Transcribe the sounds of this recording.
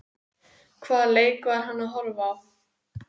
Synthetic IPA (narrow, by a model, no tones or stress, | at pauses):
kʰvaːðleːjkvaɾ̥ɦanːaðɦɔɾvav